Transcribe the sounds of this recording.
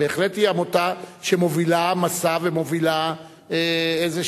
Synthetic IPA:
eːχletiamotaʃe̞mo̞vilamasavemo̞vila | eeze

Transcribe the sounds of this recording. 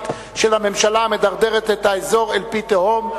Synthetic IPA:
t̪ | ʃe̞lame̞mʃalame̞d̪aʁd̪e̞ʁet̪et̪haezo̞ʁelpit̪ehom

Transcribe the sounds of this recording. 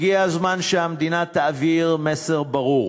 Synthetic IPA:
ɡiazmanʃeamd̪inat̪aːviʁmeseʁbaʁuʁ

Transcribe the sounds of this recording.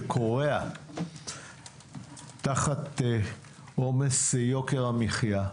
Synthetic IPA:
kʰo̞ʁea | taχat̪ | omesjo̞keʁamiχja

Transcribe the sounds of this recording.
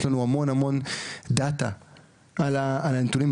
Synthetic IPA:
lanuamonamɔnd̪at̪a | alaalant̪unim

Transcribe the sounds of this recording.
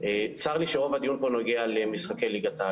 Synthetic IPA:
et͡saʁliʃeʁo̞vad̪ijunpono̞ɡealemisχakejliɡat̪a

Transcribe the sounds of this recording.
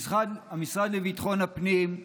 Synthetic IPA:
sχad̪amisʁad̪levit̪aχo̞napnim

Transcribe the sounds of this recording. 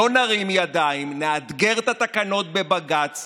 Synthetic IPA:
onaʁimjad̪aimnead̪ɡeʁt̪at̪akano̞t̪̚be̞baɡat͡s

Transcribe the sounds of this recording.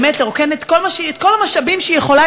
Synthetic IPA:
metleʁoke̞net̪kolmaʃet̪ko̞lamaʃabimʃeijeχo̞la

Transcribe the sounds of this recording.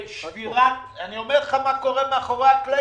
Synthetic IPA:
ʃviʁa | anio̞meʁleχamako̞ʁemeaχoʁakle

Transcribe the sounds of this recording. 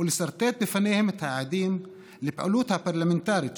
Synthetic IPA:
lɪsɑɾˤt̪eːt̪̚bɪfaneːhɪmɪt̪haʕad̪iːm | libʔa̰luːt̪hapɑɾˤlamɪnt̪aːɾi

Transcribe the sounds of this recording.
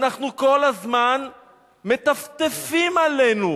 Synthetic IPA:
naχnuko̞lazman | me̞t̪aft̪efimalenu

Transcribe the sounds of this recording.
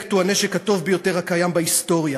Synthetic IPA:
ktuaneʃekato̞vbejo̞teʁhakajambaisto̞ʁja

